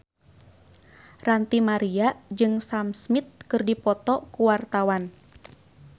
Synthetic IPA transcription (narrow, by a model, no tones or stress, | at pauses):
rant̪imaɾiaʔd͡ʒɨŋsamsmit̪̚kɨrdipɔt̪ɔkuwart̪awan